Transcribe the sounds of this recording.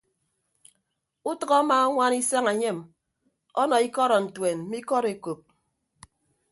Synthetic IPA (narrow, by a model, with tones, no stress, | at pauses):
u˦tʌ˦ɣɔ˦maː˦ɔ˦ŋʷa˦ni˦sa˦ŋe˨ɲe˦˨m | ɔ˦nɔ˨i˦kɔ˦ɾɔ˨n̩˨twe˨n̩˦mi˦kɔ˦ɾe˨ko˨p̚